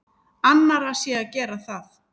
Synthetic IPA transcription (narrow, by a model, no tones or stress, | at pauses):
anːaɾasjɛacɛːɾaθaθ